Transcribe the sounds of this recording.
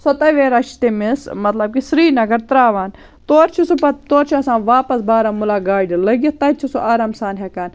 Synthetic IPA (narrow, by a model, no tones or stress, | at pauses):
sɐt̪ɐʋeːɾɐʃt̪emɪsmɐt̪lɐb̚kisɾiːnɐɡɐɾt̪ɾaːʋaːn | t̪oːɾt͡ʃʰisupɐt̪oːɾt͡ʃʰiɐsãːʋaːpɐsbaːɾaːmulaːɡaːɖilɐɡet̪ɐt͡ʃʰisuʔaːɾaːmsaːnɦekaːn